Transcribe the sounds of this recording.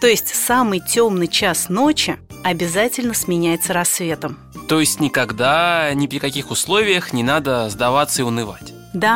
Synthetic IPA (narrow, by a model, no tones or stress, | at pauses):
t̪o̞ɪsʲtʲsamɨjtʲo̞mnɨjt͡ɕasno̞t͡ɕɪɐbʲɪzatʲɪlʲnəsmʲɪnʲæjɪt̪səɾɐsːvʲe̞t̪əm | t̪o̞jɪsʲtʲnʲɪkɐɡd̪anʲɪpɾʲɪkɐkʲixʊslˠo̞vʲɪjəxnʲɪnad̪əzd̪ɐvat̪səɪʊnɨva̰tʲ | d̪a